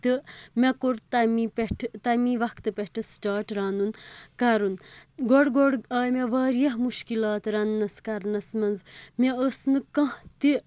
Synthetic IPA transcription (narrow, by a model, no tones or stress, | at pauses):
t̪ɨmɐkoɾt̪ɐmipeʈʰt̪ɐmiʋɐkʰt̪ɨpʲɐʈʰɨsʈaːɾʈɾaːnunkɐɾunɡɔɽɡoɽɐːjmeʋaːɾjɐɦmuʃkilaːt̪ɾɐnːɐskɐɾnɐsmɐnzmeəsnɨkɐ̃ɦt̪i